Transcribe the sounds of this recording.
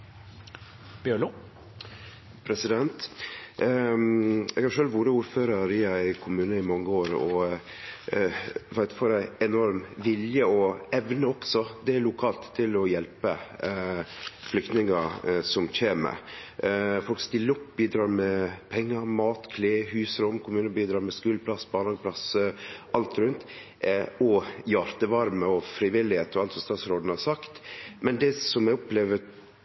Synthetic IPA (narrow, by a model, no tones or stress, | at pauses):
b̥jøɭ | pʰɾɛsɪd̪ɛnt̪ | ɛɡɑʂøːlʋuːɾəuːɾføːɾəɾɪæɪkʰʊmʉːnəɪmɑŋːəoːɾɔ | ʋæɪt̪foːɾæɪɛnɔɾmʋɪljəɔɛʋnəɔksɔd̪ɛæɭʊkʰɑːlt̪ʰːɪlɔjɛlpə | flʏk̚t̪nɪŋɑsɔmçeːmə̰ | fɔlkst̪ɪlːəɔpːbiːd̪ɾɑːɾmɛpʰɛŋːəɾmɑːt̪kʰleːhʉːsəɾɔmːkʰʊmʉːnəbiːd̪ɾɑːɾmɛskʉːləpʰlɑsːbɑːnɑːɡəpʰlɑsʔɑlt̪ɾʉnt̪ | ɔjɑɾt̪əʋɑɾməɔfɾɪʋɪlːɪheːt̪ɔɑlt̪sɔmst̪ɑːt̪sɾoːd̪n̩hɑsɑkt̪mɛnd̪ɛsɔmjæɪɔpleːʋə